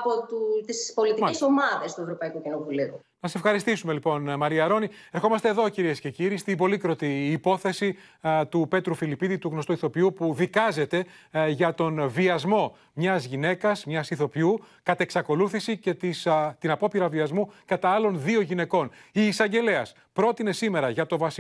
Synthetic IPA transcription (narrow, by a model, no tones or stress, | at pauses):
pot̪ut̪ispo̞lit̪iesomɐðest̪ue̞vɾopɐikucinovuliu | nɐse̞fxɐɾist̪isume̞lipo̞nmɐɾiɐɾo̞ni | e̞ɾxo̞mɐst̪eðo̞ciɾie̞sce̞ciɾist̪ibo̞likɾo̞t̪iːpo̞θe̞sit̪upe̞t̪ɾufilipiðit̪uɣno̞st̪oiθo̞piupuðikɐze̞t̪e̞ʝɐt̪o̞nviɐzmo̞ | mɲɐzʝine̞kɐsmɲɐsiθo̞piukɐt̪e̞ksɐko̞luθisicet̪ist̪inɐpo̞piɾɐviɐzmukɐt̪ɐːlonðioʝine̞ko̞niːsɐɲɟe̞le̞ɐs | pɾo̞t̪ine̞sime̞ɾɐʝɐt̪o̞vɐs